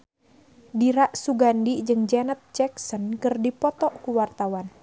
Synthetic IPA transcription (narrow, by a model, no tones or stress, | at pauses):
diɾaʔsuɡandid͡ʒɨŋd͡ʒɛnət̪̚t͡ʃɛksɔnkɨrdipɔt̪ɔʔkuwart̪awan